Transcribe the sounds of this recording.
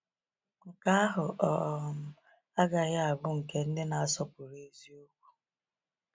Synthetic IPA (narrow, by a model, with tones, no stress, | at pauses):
ŋ̩˨ka˦a˦ɦʊ˨ʔɔ˨m̩˦˨ | a˦ɡa˨ɣa˦a˨bʊ˦ŋ̩˨ke˦n̩˦dɪ˦na˨a˨sɔ˦pʊ˨ɾe˨˦zi˦o˦k̚ʷu̥˦